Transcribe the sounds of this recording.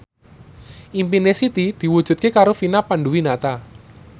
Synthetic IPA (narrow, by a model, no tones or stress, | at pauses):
ʔimpinesit̪id̪̥i̤wu̥ʒ̥ṳt̪̚kekaɾofinapanɖuwinat̪a